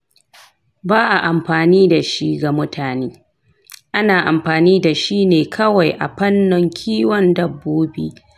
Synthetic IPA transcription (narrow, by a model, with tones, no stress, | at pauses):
baː˦ʔa˨ʔa˨mɸaː˨niː˦da˨ʃi˦ɡa˨mʊ˦tʰaː˨neː˦ | ʔa˦naː˨ʔa˨mɸaː˨niː˦da˨ʃi˦neː˨kʰɐ˦wa˨jʔa̰˨ɸɐ˦nːʊ˨ŋkʲʰiː˦wɔ˦ndɐ˨bːuː˦bḭː˦